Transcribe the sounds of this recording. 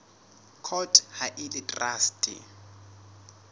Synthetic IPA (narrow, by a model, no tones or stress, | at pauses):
kʰɔtʼhaʔɪlɪtʼraːstʼɪ̰